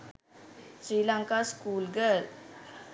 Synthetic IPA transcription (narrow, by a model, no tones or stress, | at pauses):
sɾiːlaŋkaskuːlɡəl